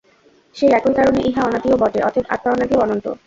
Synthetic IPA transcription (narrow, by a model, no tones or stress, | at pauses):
ʃejɛkojkaɾoneʔiɦaɔnat̪iobɔʈeʔɔ̰t̪ʰeba̰t̪̚ːaɔnat̪ioɔnont̪o̰